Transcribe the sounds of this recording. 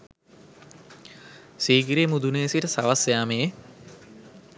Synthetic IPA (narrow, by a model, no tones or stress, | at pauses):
siːɡiɾeːmud̪unesiʈəsaʋasjaːmee